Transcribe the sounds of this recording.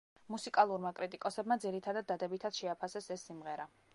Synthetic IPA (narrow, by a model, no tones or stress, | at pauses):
musikʼalˠuɾmakʼɾit̪ʼikʼɔsɛbmad̪ziɾit̪ʰad̪ad̪̚ːad̪ɛbit̪ʰad̪̥ʃɛapʰasɛsɛsːimʁɛɾa